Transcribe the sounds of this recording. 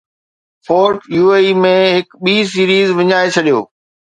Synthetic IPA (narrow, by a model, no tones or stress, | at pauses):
fʰoːɾʈjuːeːimẽɦɪkɓiːs̬iːɾiːzʋɪɲaːet͡ɕʰɐɗijo̰ː